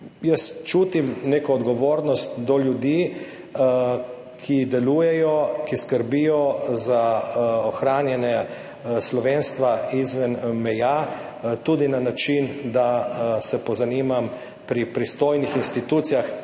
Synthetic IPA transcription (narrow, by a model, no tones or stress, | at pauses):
jəst͡ʃut̪imneːkɔːd̪ɡɔʋoːɾnɔst̪d̪ɔljud̪i | kʰid̪ɛluːjɛjɔkiskəɾbijɔzaɔxɾaːnjɛnɛ | slɔʋeːnst̪ʋaizʋɛnmɛja | t̪ud̪inanat͡ʃind̪asɛpɔzaniːmam | pɾipɾist̪oːjnixinst̪it̪ut̪sijax